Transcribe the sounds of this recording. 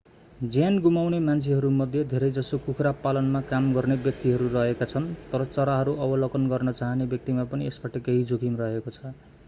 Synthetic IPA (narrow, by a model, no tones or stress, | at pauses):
d͡zjanɡumawnemant͡sʰiɦʌɾumʌd̪ʱjʌd̪ʱeɾʌjd͡zʌsokukʰɾapalʌnmakamɡʌrnebjʌk̚t̪iɦʌɾurʌɦekat͡sʰʌnt̪ʌɾʌt͡sʌɾaɦʌɾuʔʌbʌlʌkʌnɡʌrnʌt͡saɦʌnebjʌk̚t̪imapʌniesbaʈʌkeɦid͡zokimrʌɦekot͡sʰʌ